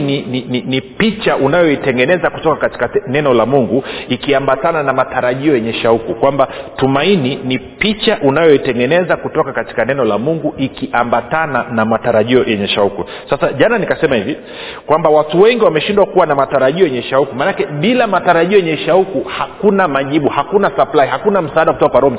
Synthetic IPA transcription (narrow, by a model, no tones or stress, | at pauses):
ninininipit͡ʃaʔunajɔitɛŋɡɛnɛzakutɔkakati̥kanɛnɔlamuŋɡuikiambatananamataɾaʄiɔjɛɲɛʃaukukwambatumaininipit͡ʃaʔunajɔitɛŋɡɛnɛzakutɔkakati̥kanɛnɔlamuŋɡuʔikiʔambatananamataɾaʄiɔjʔɛɲɛʃauku | sasaʄananikasɛmahivi | kwambawatuwɛŋɡiwamɛʃindwakuwanamataɾaʄiɔjɛɲɛʃaukumanakɛɓilamataɾaʄiɔjɛɲɛʃaukuhakunamaʄiɓuhakunasaplaihakunam̩saaɗaku̥tɔkakwaɾɔm